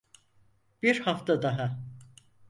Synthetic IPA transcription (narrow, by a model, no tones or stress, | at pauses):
b̥iɾhaft̪ʰad̪aɦa